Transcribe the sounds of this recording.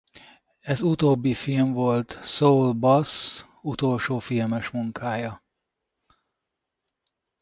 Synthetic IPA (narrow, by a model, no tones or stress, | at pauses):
ɛzut̪oːbːifilɱvo̞lt̪soulbɒs | ut̪o̞lʃoːfilmɛʃmuŋkʰaːjɒ